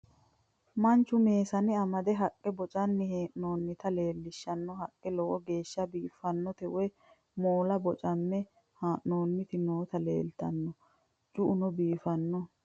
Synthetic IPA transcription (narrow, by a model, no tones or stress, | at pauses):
mɐnt͡ʃːʊme̞ːsɐnɪɐmɐd̪ɛɦɐkʼːɛbɔt͡ʃʼɐnːɪheːʔno̞ːnːɪt̪ɐle̞ːlːɪʃːɐnːɔɦɐkʼːɛlɔwɔɡe̞ːʃːɐbiːfɐnːɔt̪ɛʔʊɛ | moːlɐbɔt͡ʃʼɐnːɛ | haːʔno̞ːnːɪt̪ɪno̞ːt̪ɐlḛːlt̪ɐnːɔ | d͡ʒʊʔʊnɔbiːfɐnːɔ